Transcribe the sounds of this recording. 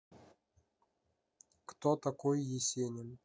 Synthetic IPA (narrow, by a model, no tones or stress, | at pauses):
kt̪ot̪ɐkojjɪsʲenʲɪn